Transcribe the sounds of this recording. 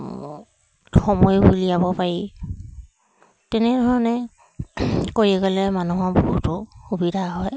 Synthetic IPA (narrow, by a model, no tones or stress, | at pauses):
xɔmɔjbulijabɔpaɹi | tɛnɛdʱɔɹɔnɛ | koɹiɛɡɔlɛmanuɦɔɹbɔɦutʊxubidʱaɦɔj